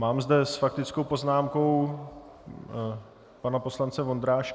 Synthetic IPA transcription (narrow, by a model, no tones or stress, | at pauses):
maːmzd̪ɛsfakt̪ɪt͡skowpo̞znaːmko̞w | panapo̞slant͡sɛvo̞nd̪ɾaːʃ